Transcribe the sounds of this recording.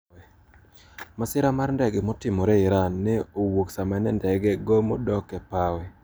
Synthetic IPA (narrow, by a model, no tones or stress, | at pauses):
ɛ | masɪɾamarndɛɡɛmɔtɪmɔɾɛɪɾanːɛowoksamɛnɛndɛɡɛɡomo̰dɔkɛpawɛ